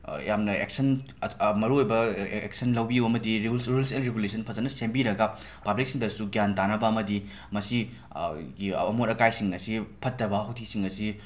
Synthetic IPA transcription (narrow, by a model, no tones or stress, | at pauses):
jamnɐḛk̚sɐn | mɐɾuojbɐḛk̚sɐnlɐwbiuwɐmɐdiɾesɾulselɾeɡulesʰɐnpʰɐzɐnɐsembiɾɐɡɐ | pɐblik̚siŋdɐsuɡjantanɐbɐɐmɐdi | mɐsi | ɡiɐmonɐkajsiŋɐsipʰɐtːɐbɐɦowtʰisiŋɐsi